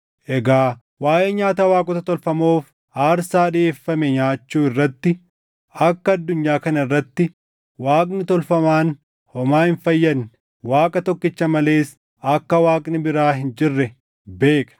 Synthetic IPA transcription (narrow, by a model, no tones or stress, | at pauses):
ʔɛɡaː | waːʔeːɲaːt̪ɐwaːkʼɔt̪ɐt̪ɔlfɐmoːf | ʔaːɾsaːᶑɪeːfːɐmɛɲaːt͡ʃːuːɪrːɐt̪ːɪ | ɐkːɐɐd̪ːʊɲːaːkɐnɐɪrːɐt̪ːɪ | waːkʼnɪt̪ɔlfɐmaːn | hɔmaːhɪnfɐjːɐn | waːkʼɐt̪ɔkːɪt͡ʃːɐmɐle̞ːs | ɐkːɐwaːkʼnɪbɪɾaːɦɪnd͡ʒɪrːɛ | beːkʼɐ̥